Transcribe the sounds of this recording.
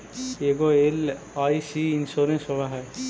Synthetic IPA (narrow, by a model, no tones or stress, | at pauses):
eɡoel | ajsiinsoɾensɔbʱaɦɛ